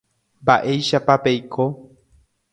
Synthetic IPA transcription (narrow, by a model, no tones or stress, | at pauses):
mbaʔe̞jʃapape̞jkʰo